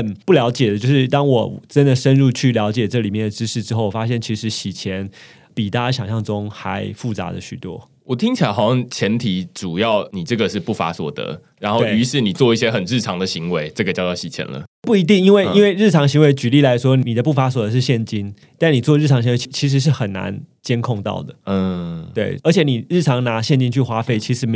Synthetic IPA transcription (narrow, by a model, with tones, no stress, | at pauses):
ə˨˩npu˥˩ljɑ˧˥ʊt͡ɕjɛ˨˩d̪ə˩t͡ɕjʊʂɻ̩˥˩t̪ɑ˥ŋwɔ˨˩ʈ͡ʂə˦nd̪ə˨ʂə˦˥nɻu˥˧t͡ɕʰy˥˩ljɑ˧˦˥ʊt͡ɕjɛ˨˩ʈ͡ʂɤ˥˩˨li˨˩mjɛ˥˩nd̪ə˩ʈ͡ʂɻ̩˥ʂɻ̩˥˩ʈ͡ʂɻ̩˥xo˥˩ʊwɔ˨˩fa˥ɕjɛ˥˩nt͡ɕʰi˧˥ʂɻ̩˧˥ɕi˨˩t͡ɕʰjɛ˧˦n | pi˨˩t̪ʰa˥˩˧ɕ̬jɑ˨˩ŋɕjɑ˥˩ŋʈ͡ʂʊ˦ŋxa˧˦ɪfu˥˩t͡sa̰˧˥d̪ə̰˨˧ɕy˨˩t̪wɔ̰˦ | wɔ˨˩t̪ʰi˥ŋt͡ɕʰi˨˩la˧˦ɪxɑ˨˩ʊɕjɑ˥˧t͡ɕʰjɛ˧˥nt̪ʰi˨˥˦ʈ͡ʂu˨˩jɑ˥˩ʊni˨˩ʈ͡ʂɤ˥˩ɡə˩ʂɻ̩˥˧pu˥˩fa̰˧˥swɔ̰˨˩d̪ə̰˦ | ɻa˧˦nxo˥˩ʊe˥y˧˥ʂɻ̩˥˩ni˨˩t͡swɔ˥˧i˥˩ɕjɛ˦xə˨˩nɻɻ̩˥˩ʈ͡ʂʰɑ˦˥ŋd̪ə˨ɕi˧˥ŋwe˧˦ɪʈ͡ʂə˥˩ɡə˩t͡ɕjɑ˥˧ʊt̪ɑ˥˩ʊt͡ɕʰi˨˩t͡ɕʰjɛ̰˧˦nlə̰˧pu˥˩i˧˥t̪i˥˩ŋi˥nwe˥˧ɪi˥nwe˥˧ɪɻ̩˥˩ʈ͡ʂʰɑ˧˥ŋɕi˧˥ŋwe˧ɪt͡ɕy˨li˥˩la˧˥ɪʂwɔ˥n˨i˨˩d̪ə˦p̬u˥˩fa˧˥swɔ˨˩d̪ə˧˦ʂɻ̩˥˧ɕjɛ˥˨˩nt͡ɕi˥n | t̪a˥˩ni˨˩t͡sɔ˥˧ɻ̩ʰ˥˩ɑ˧˥ŋɕi˧˥we˧i˧˩t͡ɕʰi˧˥ʂ̬̩˧ʂ̬ɻ̩˥˩xə˨˩nːa̰˧˦nt͡ɕjɛ˥nkʰo˥˧ŋt̪ɑ̰˥˩ʊd̪ə˩˥˧we˥˩ɪə˞˧˥t͡ɕʰjɛ˨˩˦ni˨˩ɻ̩˥˩ʈ͡ʂʰɑ˧˥ŋna˧˥ɕjɛ˥˨nt͡ɕi˥nt͡ɕʰy˥˩xwa˥fe˥˩ɪt͡ɕʰi˧˥ʂɻ̩˧˥